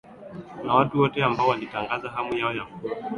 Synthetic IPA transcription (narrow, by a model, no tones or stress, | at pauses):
nawatuwɔtɛambaɔwalitaŋɡazaɦamujaɔjamkua